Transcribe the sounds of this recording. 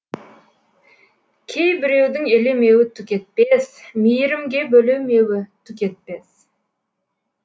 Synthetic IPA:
kʲʰe̞jbɪɾe̞wd̪ɪŋeleme̞wɪt̪ʰʊkʲe̞t̪̚pe̞smijɪɾɪmɡʲe̞bɵlewmewɪt̪ʰʊkʲe̞t̪̚pe̞s

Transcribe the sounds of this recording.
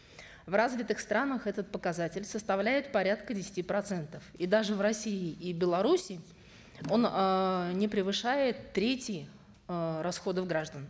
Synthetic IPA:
vrazvʲɪt̪ɨxst̪ɾanəxɛt̪ət̪̚pəkɐzatʲɪlʲsəst̪ɐvlʲæjɪt̪pɐɾʲat̪kədʲɪsʲɪ̥tʲipɾɐt̪sɛnt̪əfid̪aʐɨvrɐsʲiɪibʲɪlˠɐɾusʲɪː | o̞nənʲɪpɾʲɪvɨʂajɪt̪ːɾʲetʲɪj | ɾɐsxo̞d̪əvɡɾaʐd̪ən

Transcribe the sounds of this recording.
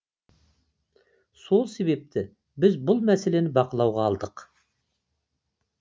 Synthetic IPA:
so̞lˠse̞βe̞p̚t̪ɪ | bɪzbʊlˠmæse̞le̞nɪbɑqəlˠɑwʁɑːlˠd̪əq

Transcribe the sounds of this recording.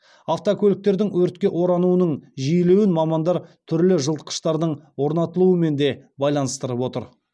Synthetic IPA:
ɑft̪okʲʰɵlɪk̚t̪e̞ɾd̪ɪŋwɵɾt̪̚kʲe̞ʔo̞ɾɑnuənəɴʒijlewɪnmɑmɑnd̪ɑɾt̪ʰʏɾlɪʒəlˠt̪ə̥qə̥ʃt̪ɑɾd̪əɴwo̞ɾnɑt̪əlˠuəme̞nd̪e̞bɑjlˠɑnəst̪əɾəpwo̞t̪əɾ

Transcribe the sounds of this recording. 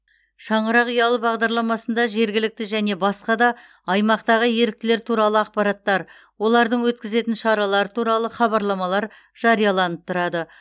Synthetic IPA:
ʃɑɴəɾɑqijɑlˠəbɑʁd̪ɑɾlˠɑmɑsənd̪ɑʒe̞ɾɡʲɪlɪk̚t̪ɪʒæne̞bɑsqɑd̪ɑ | ɑjmɑqt̪ɑʁəje̞ɾɪk̚t̪ɪle̞ɾt̪ʰuɾɑlˠəɑqpɑɾɑt̪ːɑɾ | wo̞lˠɑɾd̪əɴwɵt̪̚kʲɪze̞t̪ɪnʃɑɾɑlˠɑɾət̪ʰuɾɑlˠəχɑbɑɾlˠɑmɑlˠɑɾ | ʒ̥ɑɾijɑlˠɑnəp̚t̪ʰʊɾɑd̪ə

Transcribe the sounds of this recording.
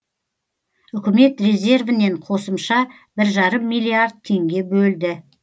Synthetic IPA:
ʏkʲɪme̞t̪rʲe̞zʲe̞rvɪne̞ɴqʰo̞səmʃɑ | b̥ɪɾʒɑɾəmːijliard̪̚t̪ʰːe̞ŋɡʲe̞bɵld̪ɪ

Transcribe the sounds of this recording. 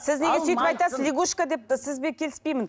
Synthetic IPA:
sɪzneɡʲesyjt̪ɪpɑjt̪ɑszəzlʲiɡoʃkad̪e̞p̚t̪ɪsɪzbe̞kʲʰe̞lɪspejmɪn

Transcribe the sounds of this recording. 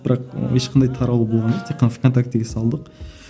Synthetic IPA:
b̥ɪɾɑqheʃqʰɑnd̪ɑjt̪ʰɑɾɑwəbolˠʁɑnd͡ʒoqt̪ʰeqːənfkʰont̪ʰak̚t̪ːɪɡʲɛsɑlˠd̪əq

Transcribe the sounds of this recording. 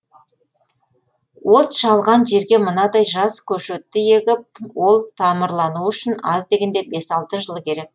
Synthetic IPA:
wo̞t̪ʃɑlˠʁɑnʒe̞ɾɡʲe̞mənɑd̪ɑjʒɑskʲʰɵʃet̪ːɪje̞ɡʲɪp̚wo̞lˠt̪ʰɑməɾlˠɑnuʏʃɪnɑzd̪e̞ɡʲe̞nd̪e̞be̞sɑlˠt̪əʒəlˠkʲʰe̞ɾe̞k̚

